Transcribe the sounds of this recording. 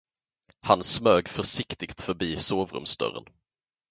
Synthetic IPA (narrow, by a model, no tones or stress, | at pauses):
hansmøːɡfœʂɪkt̪ɪɡt̪fœɾbiːsoːvɾɵ̰msd̪œ̰ɾə̰n